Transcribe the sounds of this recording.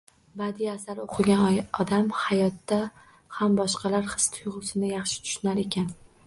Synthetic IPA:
bad̪iasaɾoqʰɨɡʲanɒd̪amhajɒt̪ːa | hambɒʃqʰɑlaɾhɨ̥st̪ʰʊjʁʊsɪnɪjɑχʃɪ̥t̪ʰʊ̥ʃnaɾe̞kʲan

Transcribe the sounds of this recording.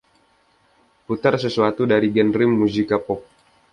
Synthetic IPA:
put̪arsəsuat̪udaɾiɡɛnrɪmːuzikapɔk̚

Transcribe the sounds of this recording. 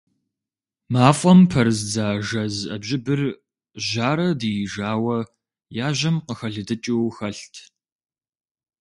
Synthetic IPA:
maːfʼɔmpʰɐrɨzd͡zaːʒɐzɐ̰bʑɪbɨr | ʒaːɾɐdijɪʒaːwɐ | jaːʒɐmqəxɐɮɨdɨt͡ʃʼiwxɐɬtʰ

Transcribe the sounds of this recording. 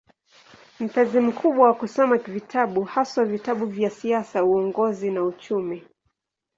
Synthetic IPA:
m̩pɛzim̩kʰuɓwawakusɔmavitʰaɓuhaswavitaɓuvjasiasauɔŋɡɔzinaut͡ʃumi

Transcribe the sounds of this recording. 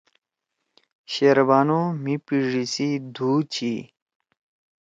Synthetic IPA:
ɕeɾbaːnomipiʐisid̪ʱuːt͡ɕʰi

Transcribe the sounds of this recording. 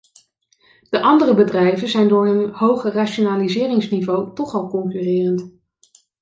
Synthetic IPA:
d̥əʔɑndərəbədrɛjvənzɛjndʊːɹɦənhowχəraʃonaːlizɪːrɪŋsnivowtɔχɑlˠkɔŋkyrɪːrənt

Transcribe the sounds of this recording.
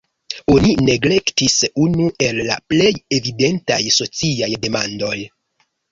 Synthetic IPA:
o̞nine̞ɡle̞ktisunuʔe̞lːa̰ple̞je̞vide̞nta̰jso̞t͡siajde̞mando̞j

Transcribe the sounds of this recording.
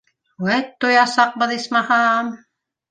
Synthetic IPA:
wæt̪t̪ːŏjɑsɑq̚bɤðismɑhɑm

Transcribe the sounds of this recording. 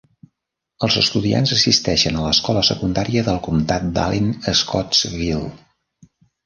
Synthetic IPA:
əlˠzəst̪uðia̰nzəsist̪ɛʃənələskɔləsəkund̪aɾiəðəlˠkumt̪at̪̚d̪a̰linəskɔβilˠ

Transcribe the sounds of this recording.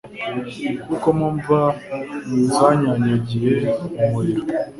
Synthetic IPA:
kukomoɱvamuzaɲaɲaɟijeomuɾiɾo

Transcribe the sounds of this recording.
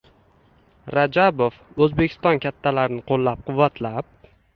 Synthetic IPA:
ɾad͡ʒabof | ɵzbekʲʰɪst̪ɒnkʲʰat̪ʰːalaɾnɪqʰolˠːap̚qʰʊvːat̪ʰlap̚

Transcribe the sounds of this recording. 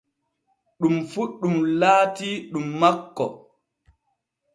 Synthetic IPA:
ɗumfuɗːumlaːtiɗumːakːɔ̰

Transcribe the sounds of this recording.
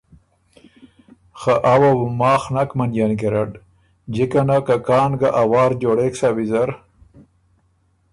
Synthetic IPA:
xaʔawawumɑːxnakmanjankeɾaɖ | d͡ʑikanakakɑːnɡaʔawɑːɾd͡ʒoːɽeksawizaɾ

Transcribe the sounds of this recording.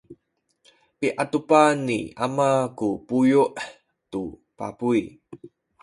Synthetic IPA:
piʔatupanːḭamakupujuʔ | tu | pa̰pui

